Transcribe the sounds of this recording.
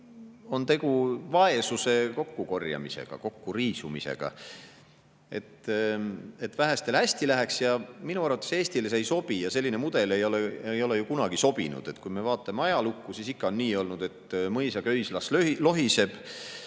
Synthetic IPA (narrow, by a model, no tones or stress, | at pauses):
o̞nt̪e̞ɡ̥uvɑe̞suse̞ko̞kːuko̞rjɑ̰mise̞̰ɡ̥ɑ̰ko̞kːuriːsumḭsḛɡ̥ɑ̰ | e̞̰t̪ː | e̞t̪væɦæst̪e̞lhæsʲt̪ilæɦeksjɑminuɑrvɑt̪ːˑe̞se̞ːst̪ilesejso̞b̥ijɑse̞lːinemud̪̥e̞le̞jo̞leejo̞le̞jukunɑɡ̥iso̞b̥inṵd̪̥e̞t̪ːkujme̞vɑːt̪ːˑɑmeɑjɑlukːusisikːɑo̞nːiːo̞lnud̪̥e̞t̪mɤjsɑkøjslɑslølo̞ɦise̞b̥